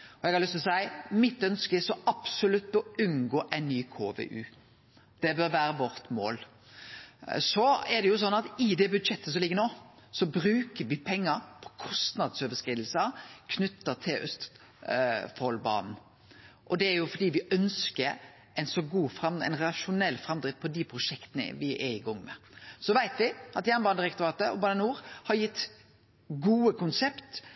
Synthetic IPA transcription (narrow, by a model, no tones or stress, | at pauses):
ɔɛɡhɑɾlʏst̪ɔsæɪmɪt̪ːœnskəɪsɔɑb̥sʊlʉt̪ːɔʉnɡoːʔæɪnnyːkʰoːʋḛʔʉː | d̪̥ɛbœɾʋæːɾəʋɔɾt̪mo̰ːl | sɔɛd̪ɛjʊs̬ɔnːɑt̪ɪd̪ɛbʉd̪ʂɛt̪ʰːəsɔmlɪɡːəɾnoːsɔbɾʉːkəʋɪpʰɛŋːəɾpʰɔ̥kʰɔst̪nɑd̪søːʋəskɾiːd̪l̩səkʰnʏt̪ːət̪ʰɪlʉst̪ | fɔlbɑ̰ːnn̩ | ʔɔd̪ɛæɾjʊfɔd̪iːʋɪʔœnskəɾ | ɛɪnsɔɡuːfɾɑmɛ̰ɪnɾlɑʃʊnɛlːfɾɑmd̪ɾɪt̪pʰɔd̪ɪpʰɾʊʂɛkt̪ənə̰ʋɪʔɛɾɪɡɔŋːmɛ̰sɔʋæɪt̪ʋɪʔɑt̪jæːnbɑːnd̪ɪɾɛk̚t̪ʊɾɑːt̪əɔ̰bɑːnənuːɾhɑɾjɪt̪ː | ɡuːəkʰʊnsɛpt̪